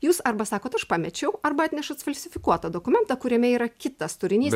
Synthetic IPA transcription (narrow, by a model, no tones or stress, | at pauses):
juːsɐɾbɐsɑːkoːt̪ɐʃpɑmʲɛt͡ʃʲɛʊɐrbɐɑt̪ʲnʲɛʃɐt̪sfɐlʲsʲɪfʲɪkuɔt̪ɐd̪oːkʊmʲɛnt̪ɐkʊɾʲɛmʲɛiːɾɐkʲɪt̪ɐst̪ʊɾʲɪnʲiːs